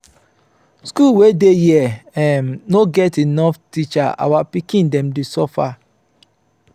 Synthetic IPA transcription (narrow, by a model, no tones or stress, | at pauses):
skulwedejiɛɛmnoɡɛtinɔftit͡ʃaa̰wapikĩndɛ̃mdesɔfa